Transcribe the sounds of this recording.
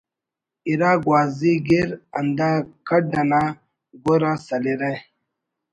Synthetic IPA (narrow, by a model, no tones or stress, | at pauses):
iɾaɡwaːziɡiɾand̪akaɖana | ɡoɾasaliɾe